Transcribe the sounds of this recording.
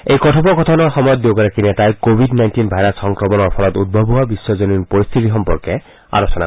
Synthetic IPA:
ejkɔtʰɔbɔkɔtʰɔnɔɹxɔmɔjɔt̚dokaɹakinɛtajkobʱidnajntinbʱajɾasxɔŋkɹɔmɔnɔɹpʰɔlɔtud̚bʱɔbʱʊwabisːɔzoninpoɹist̪ʰitixɔmpɔɹkɛ | a̰ɹosɔna̰

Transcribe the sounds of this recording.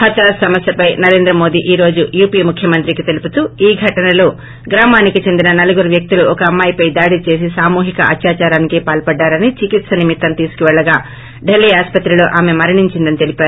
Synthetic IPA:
hɐt̪ɾaːsɐmɐsjɐpɐjnɐɾe̞ːnd̪ɾɐmo̞ːd̪iːʔiːɾo̞ːd͡ʒujuːpiːmukʰjɐmɐnt̪ɾikit̪e̞liput̪uːiːɡʱɐʈɐnɐlo̞ː | ɡɾaːmaːnikit͡ʃe̞nd̪inɐnɐluɡuɾuʋjɐk̚t̪iluɔkɐːmːaːjipɐjd̪aːɽit͡ʃe̞ːs̬isaːmuːɦikɐ̰ʔɐ̰tjaːt͡ʃaːɾaːnikeːpaːlpɐɖːaːɾɐnit͡ʃikit̪sɐnimit̪ːɐnt̪iːsu̥kuʋɛɭːɐɡaː | ɖelːiːaːspɐt̪ɾiloːʔaːme̞mɐɾiɳiɲt͡ʃind̪ɐnit̪e̞lipaːɾu

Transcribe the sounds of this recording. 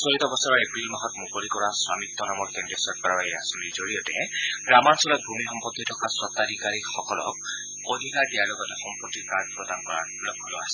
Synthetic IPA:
soɹitɔbɔsɔɹɔɹepɹilmaɦɔtmukolikɔɹasɹamit̪ːɔnamɔɹkendɹiɔsɔt̚kaɹɔaeasɔnizoɹiɔtɛ̰ɡɹamansɔlɔbʱumixɔmpɔt̪ːitʰɔkasɹɔt̪ːadʱikaɹixɔkɔlɔ̰k̚ | od̪ʱikaɹdijaɹlɔɡɔtɛxɔmpɔt̪ːikad͡ʒpɹɔdankɔɹa̰ | lɔkʰːɔlɔ̰asɛ

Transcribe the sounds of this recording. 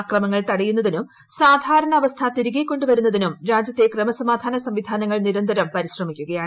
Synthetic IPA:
krɐmɐŋːɐɭt̪ɐɽɐjunːɐðinum | saːd̪ʱaːɾɐɳɐːʋɐst̪ʰɐt̪iɾiɡekːo̞ɳɖuʋɐɾunːɐðinumɾaːd͡ʑɐt̪ːe̞krɐmɐsɐmaːd̪ʱaːnɐsɐmʋid̪ʱaːnɐŋːɐɭniɾɐnd̪ʱɐɾɐmpɐɾiɕrɐmikʲːuɣɐjaːɳ

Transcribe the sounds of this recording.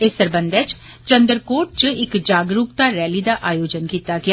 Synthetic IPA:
esəɾbənd̪ɛːt͡ʃ | t͡ʃənd̪əɾkoːʈ̚t͡ʃɪkd͡ʒaːɡɾukt̪aːɾɛːliːd̪aːʔaːjoːd͡ʒənkiːt̪aːɡɪaː

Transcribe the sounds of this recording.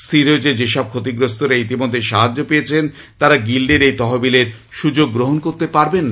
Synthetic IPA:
siɾod͡ʑed͡ʑeʃɔb̚kʰot̪iɡɾost̪oɾait̪imod̪ʱːeʃaɦad͡ʑːopejet͡ɕʰen | t̪aɾaɡilɖeɾejt̪ɔɦobileɾ | ʃud͡ʑoɡːɾoɦonkoɾt̪epaɾben

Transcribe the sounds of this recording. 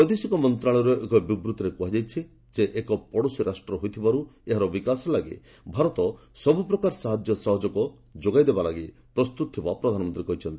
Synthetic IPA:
ɔt̪isikɔmɔnt̪ɾaɭ̃ɔɾuʔekɔbibɾut̪ɔɾekuɦad͡ʒajt͡ʃʰi | d͡ʒeʔekɔpɔɽosiɾʔasʈɾɔɦojt̪ʰibaɾueɦaɾɔbikasɔlaɡḛ | bʱaɾɔt̪ɔ | sɔbupɾɔkaɾsaɦad͡ʒjɔsɔɦɔd͡ʒɔkɔ | d͡ʒoɡajd̪ebalaɡi | pɾɔst̪ut̪ɔt̪ʰibapɾɔd̪ʱanɔmɔnt̪ɾikɔɦit͡ʃʰɔnt̪i

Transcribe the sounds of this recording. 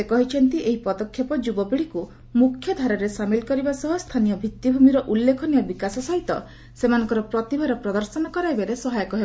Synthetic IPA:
ekɔɦit͡ʃʰɔnt̪iʔeɦipɔd̪ɔkʰːjɔpɔd͡ʒubɔpiɽiku | mukʰːjɔd̪ʱaɾɔɾesamilkɔɾibasɔɦust̪ʰanijɔbʱit̪jibʱumiɾɔʔulːekʰɔnijɔbikasɔsaɦit̪ɔ | semanɔ̃ŋkɔɾɔpɾɔt̪ibʱaɾɔpɾɔd̪ɔɾsɔnɔkɔɾaibeɾesɔɦajɔkɔɦeba

